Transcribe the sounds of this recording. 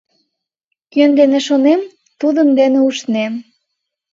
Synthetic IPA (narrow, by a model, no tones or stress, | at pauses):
kønd̪enĕʃonem | t̪ud̪ənd̪eneuʃnem